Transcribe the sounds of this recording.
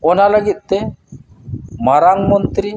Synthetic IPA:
ɔnaləɡit̪̚ˀt̪ɛ | maɾaŋmɔnt̪ɾi

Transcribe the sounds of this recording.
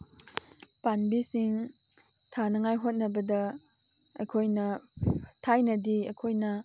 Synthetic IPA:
panbisiŋ | tʰanɐŋajɦot̚nɐbɐdɐ | ɐ̰jkʰojnɐtʰajnɐdiɐ̰jkʰojnɐ

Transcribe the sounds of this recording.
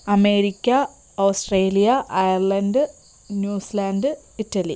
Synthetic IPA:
ɐme̞ːɾikʲːɐ | oːsʈreːlijɐʔɐjɐrlɐndɨ | njuːsilaːndɨ | itːɐli

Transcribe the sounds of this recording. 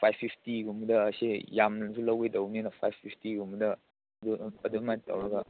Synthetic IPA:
pʰajbʰipʰtiɡumdɐːsejamnɐnsʰulɐwedɐwninɐpʰajbʰipʰtiɡumdɐ | duɐdumatɐ̰wɾɐɡɐ

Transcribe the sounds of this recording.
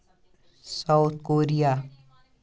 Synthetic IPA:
saʊt̪ʰkoːɾijaː

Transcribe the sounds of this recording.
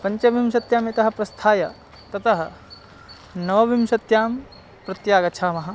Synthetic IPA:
pɐɲt͡ʃɐʋimʃɐt̪jaːmjɐt̪ɐɦɐ̆pɾɐst̪ʰaːjɐ | t̪ɐt̪ʰɐɦɐ̆ | nɐʋɐʋimsɐt̪jaːm | pɾɐt̪jaːɡɐt͡ʃʰaːmɐɦɐ̆

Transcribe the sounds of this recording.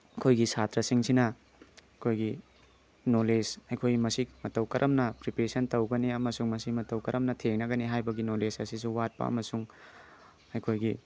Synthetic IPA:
ɐkʰojɡisatɾɐsiŋsinɐ | kʰojɡi | nolesɐjkʰojimɐsimɐtɐwkɐɾʔɐmnɐpɾipɾesɐntɐwɡɐniɐmɐsuŋmɐsimɐtɐwkɐɾʔɐmnɐtʰeŋnɐɡɐniɦajbɐɡinolesɐsisuwat̚pɐ̰ɐ̰mɐsuŋ | ɐjkʰojɡi

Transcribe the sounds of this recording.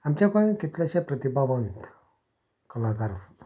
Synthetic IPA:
amt͡ɕakõĩkit̪laɕepɾət̪ibaʋənt̪ | kəlakaɾasu̥

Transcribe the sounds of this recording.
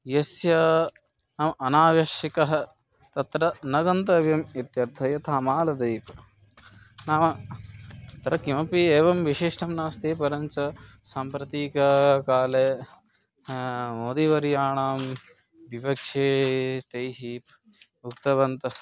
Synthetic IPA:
jɐsjɐ | ɐmʔɐnaːʋjɐʃikɐɦɐ̆ | t̪ɐt̪ɾɐnɐɡɐnt̪ɐʋjɐmit̪jɐɾt̪ʰɐjɐt̪ʰaːmaːlɐd̪ɐjp | naːmɐ | t̪ɾɐkimɐpieːʋɐmʋiʃiʂʈʰɐmnaːst̪iːpɐɾɐɲt͡ʃɐsaːmpɾɐt̪iːkɐkaːleː | moːd̪iʋɐɾijaːɳaːm | biʋɐkʂʰeːt̪ɐjɦip | ukt̪ɐʋɐnt̪ɐ

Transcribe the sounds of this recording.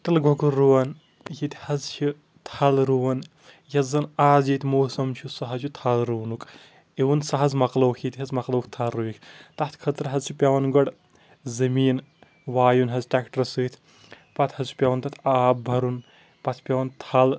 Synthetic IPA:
t̪ɐlɡʱokuɾuwɐn | jit̪hɐzt͡ʃʰi | t̪ʰɐlɾuʋɐn | jɐzɐnaːzit̪ʰʲmoːsɐmt͡ʃʰusɐɦɐzʰut̪ʰɐlɾuːnukʼ | eʋunsɐɦɐzmɐqlɐwkʰit̪ʲiɦɐzmɐqlɐwkʰt̪ʰɐlːujikʰt̪ɐt̪ʰkʰɐt̪ɾɐɦɐzt͡ʃʰipʲɐʋɐnɡɔɽ | zɐmiːn | ʋaːjunɦɐzʈɛkʈɐɾsɨːt̪ʰ | pɐt̪ʰhɐzt͡ʃʰu̥pʲɐwɐnt̪ɐt̪ʰaːbbʱɐɾun | pɐt̪ʰpʲɐʋɐnt̪ʰɐl

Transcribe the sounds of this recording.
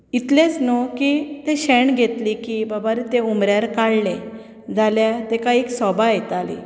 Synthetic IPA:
it̪lẽt͡snokit̪eɕɛɳɡʱet̪likibabaɾt̪eumɾjaɾkaɽle | d͡zʱaljat̪ẽkaiksɔbajet̪alḭ

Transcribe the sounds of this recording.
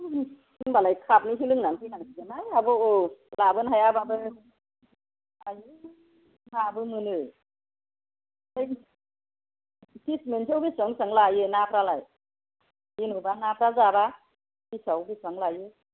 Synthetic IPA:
iŋbalajkʰap̚niɦilɯŋnanpʰɯnaŋkizɯnajabɔolabɯnɦajababɯ | ajɯ | nabɯmɯnɯ | aj | tʰismentʰawbisaŋsaŋlajɯnapʰɾalaj | inubanapʰɾazaba | kisʰawbisaŋlajɯ

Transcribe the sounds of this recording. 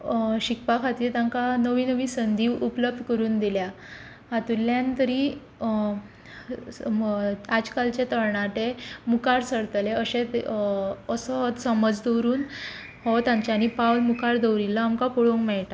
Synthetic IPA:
ɕikpakʰat̪iːɾt̪ãŋkanəʋiːnəʋiːsənd̪ʱiːʋʔupləb̚d̪ʱkəɾuːnd̪ilja | hat̪ulːjãnt̪əɾiː | ad͡ʑkalt͡ɕet̪əɾɳat̪emukaɾsəɽt̪leəɕet̪ | əsɔɦɔt̪səməd͡zd̪əwɾuːn | hɔt̪ãɲt͡ɕaːɽ̃ipawlmukaɾd̪əwɾilːaamkapɔɽoŋɡmɛɭʈa

